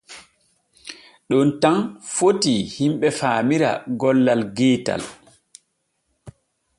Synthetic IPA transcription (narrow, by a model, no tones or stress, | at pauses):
ɗɔntanfotihimɓɛfaːmiɾa̰ɡɔlːalɡɛːta̰l